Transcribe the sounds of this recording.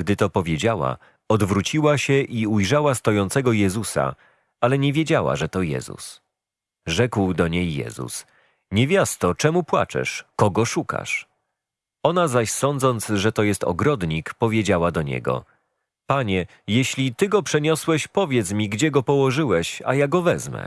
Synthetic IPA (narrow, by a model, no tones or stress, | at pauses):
ɡd̪ɘt̪ɔpɔvʲjed͡ʑawa̰ | ɔd̪vɾut͡ɕiwaɕɛʔiujʐawast̪ɔjɔnt̪sɛɡɔjɛzusa̰ | alɛɲevʲjed͡ʑawa̰ʐɛt̪ɔjɛ̰zṵs | ʐɛkwd̪ɔɲejːɛ̰zṵs | ɲɛvʲjast̪ɔt͡ʂɛmupwa̰t͡ʂɛ̰ʂkɔɡɔʂuka̰ʂ | ɔnazaɕsɔnd̪zɔnt̪sʐɛt̪ɔjɛst̪ɔ̰ɡɾɔd̪ɲikpɔvʲjed͡ʑawad̪ɔɲɛ̰ɡɔ̰ | paɲɛ | jeɕlʲit̪ɘɡɔpʂɛɲɔswɛɕpɔvʲjɛt̪smʲiɡd͡ʑɛɡɔpɔwɔʐɘwɛɕa̰jaɡɔvɛzmɛ̰